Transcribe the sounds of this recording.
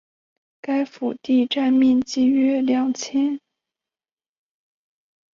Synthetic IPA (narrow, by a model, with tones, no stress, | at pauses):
ka˥ɪfu˨˩t̪i˥˧ʈ͡ʂa˥˧nmɛ˥˧nt͡ɕi˥˩ɥɛ˥ljɑ˨˩ŋt͡ɕʰjɛ˥n